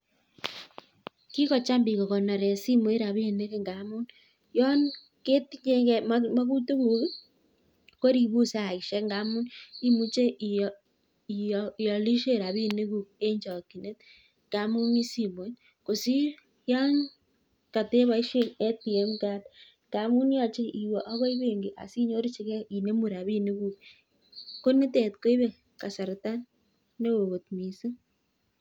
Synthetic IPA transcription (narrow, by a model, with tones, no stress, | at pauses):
ki˦ko˦˨t͡ʃa˦mbi˨ɣo˨ɣo˨na˨ɾe˨si˦mo˨˦e˦ɾa˨βi˦˨ne˦ke˦ŋɡa˨mu˦n | jɔ˦n | ke˦ti˦ɲe˦ɡe˦mama˦ɣu˦te˦βu˨βi˦ | ko˦ɾi˨βu˦sa˦˨ɣi˨ʃe˦ŋɡa˦mu˦ni˦mu˦t͡ʃe˦ʔ | i˨jɔ˨li˦ʃe˦ɾa˨βi˦ne˦ɣu˨e˦ɲd͡ʒɔ˨ki˨ne˦t | ŋɡa˦mu˦mi˦si˨βo˦n | ko˨si˦ | ja˦ɲ | ka˨te˦βa˨˦i˦ʃe˦e˦ti˨e˦mka˦d | ŋɡa˨mu˦n˦a˨t͡ʃe˦ʔi˨wo˨ʔa˦βo˦i˦βeː˨ŋɡi˨ʔa̰˨si˦ɲo˦ɾi˦t͡ʃi˦ɣe˦i˨ne˦mu˨ɾa˨βi˦ne˦ɣu˦k̚ | ko˦ne˦te˨tko˦i˦βe˦ | ka˨sa˨ɾe˨ta˦ | no˦o˨ɣo˨tmi˨si˦